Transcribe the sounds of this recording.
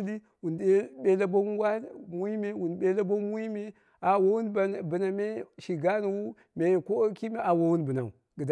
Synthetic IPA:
li˦ | wu˨ne˦ɓe˦la˦bo˦wa˦mu˦i˦me˦wu˨n˨ɓe˦la˦bo˦mu˦i˦me˦ | a˨wo˦wu˦n˨bə˨na˨me˦ʃi˨ɡa˦nu˨wu˦ | me˨ko˦ki˦me˦a˨wo˨wu˦nbə˨na̰˨u˨ | ɡə˨d

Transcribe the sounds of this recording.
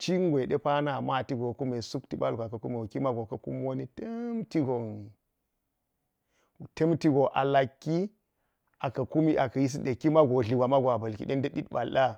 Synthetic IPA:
t͡ʃi˦ŋɡʷe˨ɗe˦pa˦na˨ma˦˨ti˦ɡo˨ku˦me˨su˦kti˦ba˦lɡʷa˨kɐ˨ku˦mi˨wo˨ki˦ma˦ɡo˨kɐ˦ku˦m˦o˦ni˦te˦mti˦ɡo˨ŋ˨ | te˦mti˦ɡo˨ʔa̰˨la˨kːi˦ | a˨kɐ˨ku˦mi˦ʔa˨kɐ˨ji˦s̬i˦de˨ki˦ma˦ɡo˨ɮi˨ɡʷa˨ma˦ɡʷa˨bɐ˨lkḭ˨ɗe˦ndɐ˦ɗi˦tɓa˨lɗa˦

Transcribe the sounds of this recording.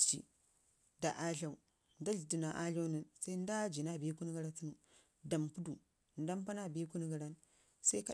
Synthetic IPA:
t͡ʃḭ˨ | da˨ʔa˦ɮa˨u˨ | n˦da˦ɮdi˨na˨ʔa˦ɮo˦ni˨sa˦i˦n˦da˦d͡ʒi˨na˦˨bi˦ku˦n˦ɡa˦ɾa˦ti˦nu˨ | da˨mpu˦du˨ | n˦da˦mpa˦na˦˨be˦ku˦n˦ɡa˨ɾa˦n | sa˦i˦ka˦˨

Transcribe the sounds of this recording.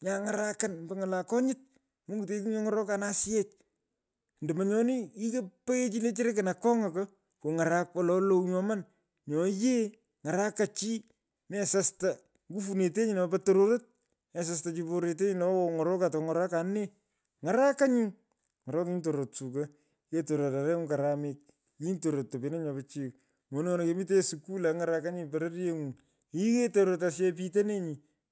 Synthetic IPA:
ɲa˨ŋa˨ɾa˦ka˦nmbe˦ŋa˨la˨kɔ˦ɲɪ˦t̚ | mo˦ɡu˨t̬e˨ki˦ɲɔ˦ŋɔ˦ɾɔ˦ka˨na˦sjɛ˦t͡ʃ | ndɛ˨ma˨ɲɔ˦ni˦i˦ke˦pe˦e˦t͡ʃi˦ne˦t͡ʃɪ˦ɾe˦kɪ˨na˨kɔ˦ŋa˨ko | ko˨ŋa˨ɾa˦kwa˨lɔ˨lo˨ɲɔ˨ma˦n | ɲɔ˨je˦ | ŋa˨ɾa˦ka˨t͡ʃi˦ | mɛ˨sa˦sta˨ | ŋɡu˦fu˨ne˨te˦ɲɪ˨na˨patoɾo˦ɾe˦t̚ | mɛ˨s̬a˨s̬ta˨t͡ʃipoɾe˨te˦ɲi˦na˦ɔŋɔ˨ɾɔ˦katɔ˨ŋɔ˨ɾa˦kane˦ | ŋa˨ɾa˦ka˦ɲi˦ŋ | ŋɔ˨ɾɔ˦kɲi˦nto˨ɾotsu˨ka˦ | ke˦to˨ɾo˨ta˨ɾɛ˦ŋu˦kaɾa˨mɪk̚ | i˦nto˨ɾo˨tːo˨pi˨˦na˦ɲɔ˨pa˨t͡ʃi˦k | mo˨nŋɔ˦na˨kemɪ˦te˦suku˦la˨ŋaɾaka˦ɲi˦paɾe˦ɾje˦ŋu˨ | i˦ke˦toɾoɾetas̬ɛ˦p̬i˦t̬e˦ne˦ɲi˨

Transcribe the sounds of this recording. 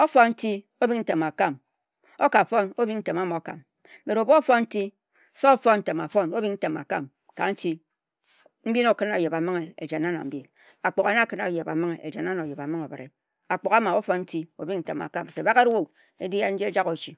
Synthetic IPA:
o˦fo˦nn̩˦ti˦ | o˦bi˦kn̩˦te˨ma˨ka˦˨m | o˦ka˨fo˦no˦bi˦kn̩˦te˨ma˨˦ma˨o˨ka̰˨m˦ | me˨ɾo˨bo˦fo˦n˦n̩˦ti˦ | so˦fo˦nn̩˦te˨ma˨fo˦no˦bi˦n̩˦te˨ma̰˨ka̰˦˨m | ka˨n̩˦ti˦ | m̩˦bi˦no˨kɨ˦na˨je˨ba˨mɨ˦ŋe˨ḛ˨d͡ʒe˨na˦na̰˨m̩˦bi˦˨n | a˨k͡po˨ka˨na˦˨kɨ˦na˨je˨ba̰˨mɨ˦ŋe˨ḛ˨d͡ʒe˨n˦a˦na˨o˨je˨ba˨mɨ˦ŋo˨be˨ɾḛ˨ | a˨k͡po˨ka˦ma˨o˦fo˦nn̩˦ti˦o˦bi˦ŋn̩˦te˨ma̰˨ka˦˨m˨se˨ba˦ɣe˦ɾwo˦˨ | ḛ˦di˦ja˦n̩˦d͡ʒe˦e˦d͡ʒa˦ɣo˨t͡ʃi˨

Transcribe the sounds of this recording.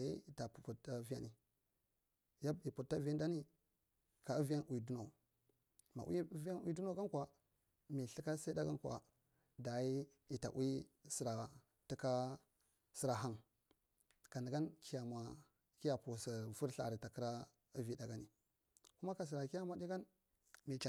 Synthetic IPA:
ḭ˦i˨ta˨pu˨pu˨ta˦vi˦ja˦˨ni˨ | ja˦i˨pu˨tːa˦vi˦a˦nda˦ni˦ | ka˨u˦vi˦a˦nʔwi˨du˦no˨ | ma̰˨wḭ˦vi˦a˦nwḭ˦du˦no˦ɡa˦nkwa˨ | mi˨ɬi˦ka˦sa˦da˦ɡa˦nkʷa̰˨ | da˨i˦ | i˨ta̰˨ʔwi˦si˨ɾa˨ | ti˦ka˦ | si˦ɾa˨ɦa˦n | ka˨ni˨ɡa˦nkʰi˦ja˨ma˨ | ki˦ja˨pu˨sa˨vu˦ɾɬa̰˨ɾi˨ta˨kə˦ɾa˦ | ə˦vi˦da˨ɡa˦ni˨ | ku˦ma˦ka˨s̬i˨ɾa˨ki˦ja˦ma˨di˦ɡa˦n | mi˨t͡ʃa˨

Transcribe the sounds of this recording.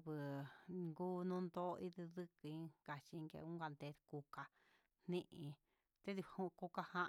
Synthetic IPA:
βɨ˨ŋɡuː˦nũ˦nd̪o˦˧ʔi˦ði˧ðɨ˦kɨ˧ĩ˦ka˨t͡ʃi˧ŋɡḛ˧ũ˦ɡa˧nd̪e˧ku˧ka˧ | n̥nĩ˦ʔĩ˧ | t̪e˦ði˧˨hu˧ko˦ka˧hã˦ʔ

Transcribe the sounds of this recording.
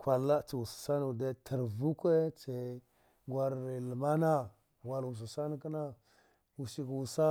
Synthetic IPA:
kʷa˨lːa˦t͡si˨wu˨sḁ˨sa˦n˨de˦tʰə˨ɾvu˦kʷe˦t͡se˨ | ɡwa˦ɾi˨lə˨ma˦na˦˨ | wa˨lwu˨s̬u˨sa˦n˦ki˦na˦ | wu˨si˦kwu˨sa˦

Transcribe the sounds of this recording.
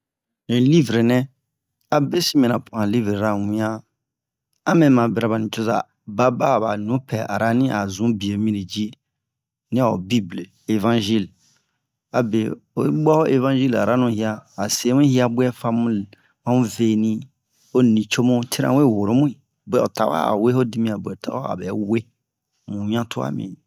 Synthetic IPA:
ĩ˨li˦vɾe˨nɛ̃˦ | a˨be˦si˦mĩ˨ã˨pʰu˨ã˨li˦vɾe˨ɾa˦˨wĩ˦ã˦ | a˦mɛ̃˨˦mã˨be˨ɾa˨ba˨ĩ˨t͡ʃo˦za˨ | ba˦ba˦˨ba˨nũ˨˦pʰɛ˨ʔa̰˨ɾa˦nĩ˦ʔa˨zũ˨˦bi˨e˨mĩ˦ɾe˨d͡ʒi˦ | nĩ˦a˨o̰˨bi˦ble˨ | e˨vã˦nʒi˦˨l | a˨be˨o˨˦ɡ͡bɔ˦o˦ʔe˦vã˦ʒi˦la̰˨ɾa˦nũ˦hi˦a˦a˨se˨˦mũ˦hi˦a˦bɛ˦fa˦mũ˦ | mã˦mũ˦ve˨nĩ˦ | o˦nĩ˨t͡ʃo˦mũ˦tʰi˦ɾã̰˨˦we˦˨wo˨ɾo˨˦mũ˦i˨ | bɛ˨o˨ta˨wa̰˦a̰˨we˦ho˦di˦mĩ˦a˨bɛ˨tʰa̰˨˦a̰˦a̰˨bɛ˨we˦ | mũ˨ɲã˦tʰo˦a̰˦˨mḭ̃˨

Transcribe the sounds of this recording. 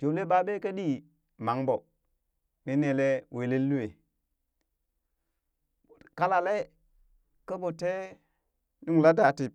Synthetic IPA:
t͡ʃo˨le˦ba˦be˦ke˦ɗi˦ | ma˨˦ŋbo˨ | ni˦ne˨le˦we˨le˦lːu˦e˨ | ka˦la˨le˦ | ka˦bo˨te˦ | nu˦ŋla˦da˨ti˨p̚

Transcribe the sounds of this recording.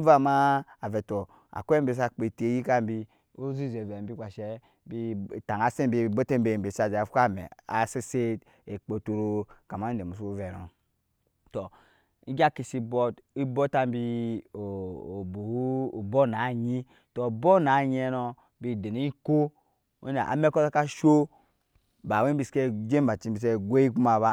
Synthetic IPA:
va˦ma˦a˨vɛ˨to˨ | a̰˨kʷe˦be˦˨s̬a˨k͡pe˨te˨˦ji˦ka˦m˦bi˦ | o˦zi˦˨ze˨ve˨bi˦kʷa˨ʃe˦ | bi˦˨ta˨ŋa˨se˦mbi˨˦˨bo˦te˦m˦be˨m˨be˨sa˨d͡ʒa˨fa˦˨mḛ˨a˨se˦se˦t | e˨k͡po˨tu˨ɾo˦ka˨ma˦de˨mu˨s̬u˦o˦vɛ˨no̰˨ | to˨ | i˦ɡa˦ki˨si˦bo˦ti˦bo˦ta˦m˦bi˦o˨o˨bo˨˦˨bo˦na˨ɲi˦ | to˨bo˦na˨ɲe˦no˦ | bi˨de˨ni˦i˦ko˦ | o̰˦na̰˨ʔa̰˨me˦ko˦sa˦ka˦ʃo˦ | ba˨we˦bi˦ske˦d͡ʒe˦m˦ba˨t͡ʃi˦bi˨s̬e˦ɡʷe˦i˦ku˦ma˨βa˦

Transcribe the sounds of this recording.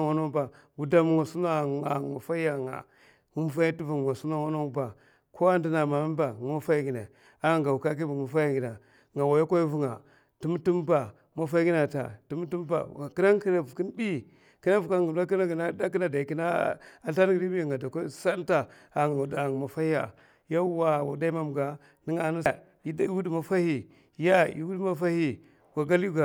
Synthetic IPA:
a˦no˦ba˨ | ɡu˨da˦m˦ŋa˨su˦a˦˨a˨ma˨fa˦a˨ŋa̰˨ | ŋu˦m˦fa˦i˦ti˦vu˨wa˨su˦ma˦wa˦no˦ŋ˦ba˨ | kʰo˦a˦ndi˦na˨ma˨m˦ba˨ma˦fa˦i˦ɡi˨na˨ | a˦˨ŋɡa˨wu˨ka˦k̬i˦bu˨mu˨fa˦ja˦ɡi˨na˨ | ŋɡa˨wa˨ja˦kʷa˦i˦vu˦ŋa̰˨ | tu˦m˦tu˦m˦ba˨ | ma˦fa˦i˦ɡi˦na˨ta̰˨tu˦m˦ti˦m˦ba̰˨ki˦na˦ŋki˦na˨vu˨ki˦nbi˦ | ki˦na˦vu˨ka˦ɡu˨˦a˦ki˦na˦ɡna˦da˦k̬i˦na˨da˨i˨ki˦na˦a˨ta˦n˦ɡi˦di˦bi˦˨ŋɡa˨da˨ka˦sa˦lta˦ | a˨ŋ˨u˨da˨ŋ˨ma˨fa˦hi˦a̰˨ | ja˦wa˨wa˨da˦i˦ma˦m˨ɡa˨ | ni˦ŋa˨na˦ | i˦da˦wu˦dma˨fa˦hi˨ | ja˦ḭ˨wu˦dma˦fa˦hi˦ | wa˨ɡa˦lu˦ɡa˨

